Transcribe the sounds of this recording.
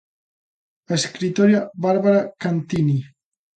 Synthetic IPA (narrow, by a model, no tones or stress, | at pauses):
əskɾit̪oɾjaβaɾβaɾakant̪ini